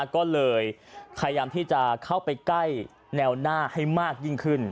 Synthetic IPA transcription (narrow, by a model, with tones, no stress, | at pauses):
kɔː˥˩lɤː˧jpʰa˧ja˧jaː˧mt̪ʰiː˥˩t͡ɕa˨˩kʰa˥˩wpa˧jkla˥˩j | nɛː˧wnaː˥˩ha˥˩jmaː˥˩k̚ji˥˩ŋkʰɯ˥˩n